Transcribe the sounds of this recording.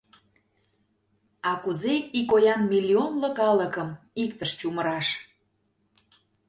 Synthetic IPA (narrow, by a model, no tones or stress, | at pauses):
ɑkuzeikojɑnmilʲionlə̆kɑləkəm | ikt̪əʃt͡ɕuməɾɑʃ